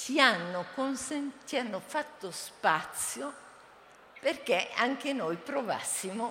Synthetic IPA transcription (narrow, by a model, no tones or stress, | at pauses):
t͡ʃianːokonsent͡ʃianːofat̪ːospat̪sːjo | perk̟eʔaŋkenojpɾova̰sːimo